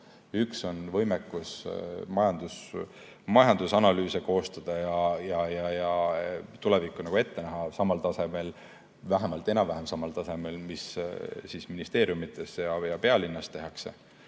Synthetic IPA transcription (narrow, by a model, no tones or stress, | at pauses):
ykso̞nvɤ̞jmekːˑusmɑjɑnd̪us | mɑjɑnd̪usɑnɑlyːse̞ko̞ːst̪ɑd̪̥ɑjɑjɑjɑjɑt̪ule̞vikːˑunɑɡ̥ue̞t̪ːe̞næɦɑsɑmːɑlt̪ɑse̞me̞l | væɦemɑlt̪ːˑe̞nɑvæɦemsɑmɑlt̪ɑse̞me̞lmissisminist̪e̞ːɾjumit̪ːˑe̞sjɑjɑpe̞ɑlinːɑst̪e̞ɦɑkse̞̰